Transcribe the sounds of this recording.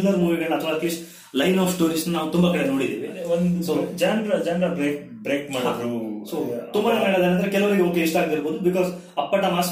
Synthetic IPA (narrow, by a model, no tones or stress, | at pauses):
lːɐɾmuːʋimeɳʈɐt̪ʰʋaːkis | lɐjnaːfʰʈoːɾisnunaːʋut̪umbɐkɐɽeno̞ːɽid̪ḭːʋiɐeond̪usod͡ʒɐnd̪ɾɐd͡ʒɐnɾɐbɾeːk̚ | bɾeːkmaːɽid̪ɾusot̪umbɐnɐɐɽɐd̪enɐnd̪ɐɾekɛlɐʋɐniɡeoːkeiʃʈaːɡd̪iɾboːd̪ubikɔːz | ɐpːɐʈːɐmaːs